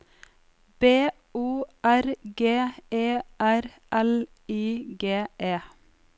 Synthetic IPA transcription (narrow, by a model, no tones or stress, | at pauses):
b̥eː | uːæɾɡeːeːʔæɾ | ʔɛl | iːɡeːʔeː